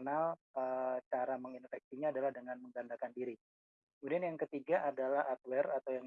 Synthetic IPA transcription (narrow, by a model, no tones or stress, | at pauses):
nal | ət͡ʃaɾaməŋinfɛk̚siɲaːdalahdəŋanməŋɡandakandiɾi | kəmudianjaŋkət̪iɡaʔadalahat̪̚wɛrat̪awjaŋ